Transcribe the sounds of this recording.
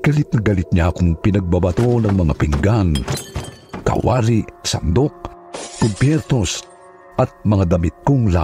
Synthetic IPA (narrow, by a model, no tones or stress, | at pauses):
kalit̪̚nɐɡalɪt̪̚ɲaakʊŋpɪnɐɡ̚babat̪onɐŋmɐŋa̰pɪŋɡan | ka̰wa̰ɾisa̰nd̪ok̚ | pʊd̪̚pjɛɾt̪os | ʔɐt̪̚mɐŋad̪ɐmɪt̪̚koŋla